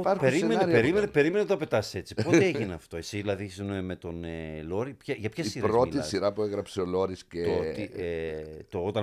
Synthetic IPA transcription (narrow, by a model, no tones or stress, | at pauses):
aɾpeɾimeepeɾimenepe̞ɾimenet̪oɐpe̞t̪ɐse̞t͡si̥ppot̪eeʝineɐft̪o̞e̞siðilɐðisemet̪o̞nelo̞ɾipçɐʝɐpçɐisiɾɾɐot̪isiɾɐpueɣɾɐpseo̞lo̞ɾisceot̪i | t̪oot̪ɐ